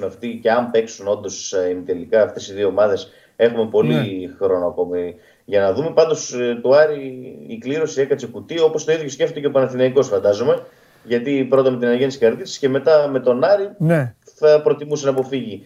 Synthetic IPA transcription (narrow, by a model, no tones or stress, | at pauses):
meɐft̪ice̞ɐmpe̞ksuno̞nd̪o̞sint̪e̞likɐːft̪e̞siðioomɐðe̞s | e̞xume̞po̞lixɾo̞noɐko̞mi | ʝɐnɐðume̞pɐnd̪o̞st̪uɐɾiikliɾo̞sie̞kɐt͡sekut̪io̞po̞st̪o̞iðʝo̞scʲe̞ft̪cepɐnɐθinɐiko̞sfɐnd̪ɐzo̞me̞ | ʝɐt̪ipɾo̞t̪ɐmet̪inɐnɐʝent̪skɐɾt̪isi̥sce̞me̞t̪ɐme̞t̪o̞nɐɾin | θɐpɾo̞t̪imusenɐpo̞fiʝi